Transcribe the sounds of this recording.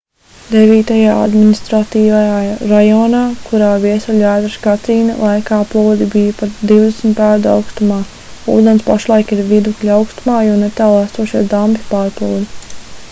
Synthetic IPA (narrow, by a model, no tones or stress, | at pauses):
d̪ɛviːt̪ajaːa̰d̪minist̪ɾat̪iːvajaːɾajɔːnaːkuɾaːviɛsuʎʲæːd̪ɾɨsɡat̪iːnɐ̰lˠajkaːplˠuːd̪ibijɐpat̪d̪iwd̪esmt̪æːɾd̪a̰wkst̪umaː | ṵːd̪enspaʃlˠajkiɾvid̪uklʲawkst̪umaːjɔnɛt̪aːlˠæst̪uɔʃiɛd̪ampipaːɾplˠuwd̪i